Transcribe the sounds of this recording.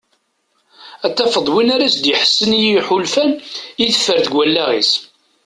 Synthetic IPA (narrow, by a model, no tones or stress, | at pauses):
æt̪ːæfəðˤwinaɾæsd̪jəħə̥sːənjiħulfænjiθə̥fːəɾθɡwælːæʁḭs